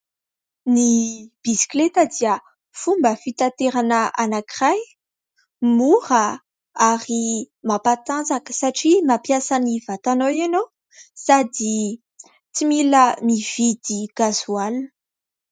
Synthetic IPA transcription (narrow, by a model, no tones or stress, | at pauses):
nib̥isi̥klet̪əd̪iə | fumbəfit̪at̪eɾanəʔanakiraj | muɾə | aɾi | mapat̪and͡zakə̥saʈ͡ʂimapjasanivat̪anowanow | sad̪i | t͡similəmiv̥id̪iɡ̥azual